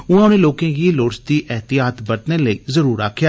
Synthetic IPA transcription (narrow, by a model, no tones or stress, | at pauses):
ʊnãːʊnẽːloːkẽːɡiːloːɽsd̪iːʔɛːt̪ijaːt̪bəɾt̪neləiːzəɾuːɾa̰ːkʰːjaː